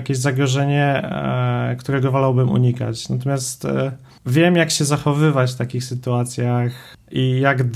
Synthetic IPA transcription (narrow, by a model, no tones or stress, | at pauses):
kʲeʑzaɡɾɔʐɛɲɛ | kt̪uɾɛɡɔvɔlawbɘmṵɲika̰t͡ɕnat̪̬ɔmʲjast̪ | vʲjɛmjakɕɛzaxɔvɘvat͡ɕft̪akʲixsɘt̪uat̪sʲjax | ijaɡd̪